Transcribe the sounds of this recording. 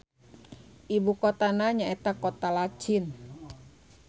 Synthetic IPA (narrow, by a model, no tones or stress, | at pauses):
ʔibukot̪anaɲaet̪akɔt̪alat͡ʃin